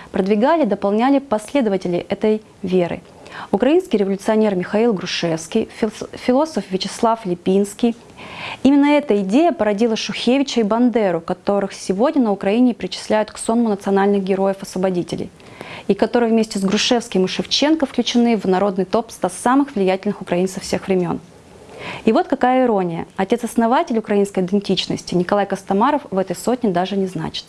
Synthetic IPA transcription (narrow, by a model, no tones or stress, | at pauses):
pɾəd̪vʲɪɡalʲɪd̪əpɐlˠnʲælʲɪpɐsʲlʲe̞d̪əvətʲɪlʲɪ̰ʔɛt̪əj | vʲe̞ɾɨ̰ | ʊkɾɐinskʲɪjɾʲɪvəlʲʊt̪sɨɐnʲe̞rmʲɪxɐilˠɡɾʊʂɛfskʲijfʲɪlˠo̞səfvʲɪt͡ɕɪslˠaflʲɪpʲinskʲij | imʲɪnːəɛt̪əɪdʲejəpəɾɐdʲilˠəʂʊxʲevʲɪt͡ɕəibɐnd̪ɛɾʊkɐt̪o̞ɾɨxsʲɪvo̞dʲnʲənəʊkɾɐinʲɪpɾʲɪt͡ɕɪ̥sʲlʲæjʊt̪kso̞nmʊnət̪sɨɐnalʲnɨxɡʲɪɾo̞jəfɐsvəbɐdʲitʲɪ̰lʲɪ̰j | ɪkɐt̪o̞ɾɨjvmʲesʲtʲɪzɡɾʊʂɛfskʲɪmɨʂɨft͡ɕe̞nkəfklʲʉt͡ɕɪnɨvnɐɾo̞d̪nɨjt̪o̞pst̪asːamɨxvlʲɪjætʲɪlʲnɨxʊkɾɐinsɨfsʲe̞xvɾʲɪmʲo̞̰n | ɪvo̞t̪kɐkajəɪɾo̞nʲɪjə̰ɐtʲe̞t̪sɐsnɐvatʲɪlʲʊkɾɐinskəjɪd̪ɪnʲtʲit͡ɕnə̰sʲtʲɪnʲɪkɐlˠajkəst̪ɐmaɾəfvɛt̪əjso̞t̚ʲnʲɪd̪aʐɨnʲɪzna̰t͡ɕɪ̥t̪̚